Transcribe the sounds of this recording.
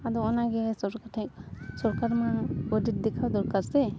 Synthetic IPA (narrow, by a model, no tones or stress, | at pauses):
ad̪ɔɔnaɡɛsɔɾkaʈʰɛ̃k̚sɔɾkaɾmaɔdit̪̚d̪ɛkʰawd̪ɔɾkaɾsɛ